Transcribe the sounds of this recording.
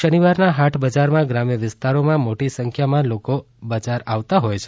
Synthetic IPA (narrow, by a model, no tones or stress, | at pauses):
əniʋaɾnaɦaʈʰbəd͡ʒaɾmãɡɾamjəʋɪst̪aɾomãmoʈisəŋkʰjamãloko | bəd͡ʒaɾaʋt̪aɦojt͡ʃʰe̥